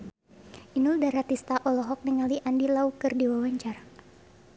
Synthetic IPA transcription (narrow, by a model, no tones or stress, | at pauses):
ʔinuldaɾat̪ist̪aʔɔlɔɦɔk̚niŋaliʔandilaukɨrdiwawaɲt͡ʃara